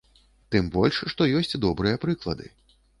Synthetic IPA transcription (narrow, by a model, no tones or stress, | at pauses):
t̪ɨmbɔlʲʂʂt̪ɔjɔsʲt͡sʲd̪ɔbɾɨjɐpɾɨklˠɐ̰d̪ɨ̰